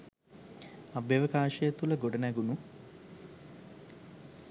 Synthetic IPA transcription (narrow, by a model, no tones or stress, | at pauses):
abeʋəkaːʃəjət̪uləɡoɖənæɡunu